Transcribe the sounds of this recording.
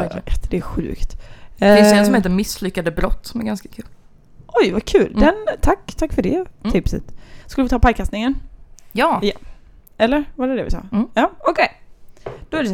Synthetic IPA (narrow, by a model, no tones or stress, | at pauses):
ɛt̪d̪̥ɛæɾɧʉ̟̰ːkt̪ɪnsjɛnsɔmheːt̪əɾmɪslʏkːad̪əbɾɔt̪ːsɔmæɾɡanskḁkʰʉ̟ːl | ʔɔjvakʰʉ̟ːld̪ɛnt̪ʰakːt̪ʰakːfœɖɛ̰ɪpsə̰t̪skɵləvɪt̪ʰɑːpʰajkʰast̪nɪŋənjɑːja | ɛlːəɾvaɾɛd̪ɛ̰vɪ̰sɑ̰ːjɑːɔkʰɛj | d̪̥ɔɛæɖɛ